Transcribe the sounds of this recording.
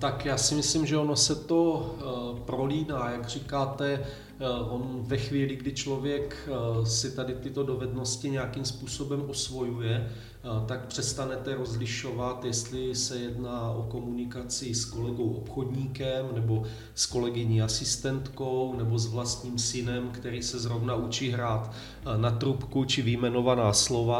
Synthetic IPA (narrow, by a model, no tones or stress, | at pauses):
t̪akjaːsɪmɪslimʒɛono̞sɛt̪o̞ | pɾoliːnaːjaɡr̝iːkaːt̪ɛ | ʔo̞nvɛxviːlɪɡdɪt͡ʃlo̞vjɛksɪt̪adɪt̪ɪt̪o̞do̞vɛdno̞scɪɲɛakimspuːso̞bɛmʔosvo̞jujɛ | t̪ak̚pr̝̥ɛst̪anɛt̪ɛɾo̞zlɪʃo̞vat̪jɛst̪lɪsɛjɛdnaːʔo̞ko̞munɪkat͡sɪsko̞lɛɡo̞wʔopxo̞dɲiːkɛmnɛbo̞ | sko̞lɛɡɪɲiːasɪst̪ɛnt̪ko̞wnɛbo̞zvlast̪ɲiːmsɪnɛmkt̪ɛɾiːsɛzɾo̞vnaut͡ʃiːɦɾaːt̪ | nat̪ɾupkut͡ʃɪvɪjmɛno̞vanaːslo̞va